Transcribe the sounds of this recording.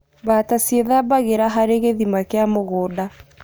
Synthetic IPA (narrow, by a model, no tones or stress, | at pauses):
batasieðabaɣeɾaɦaɾeɣeðimakeamoɣoːda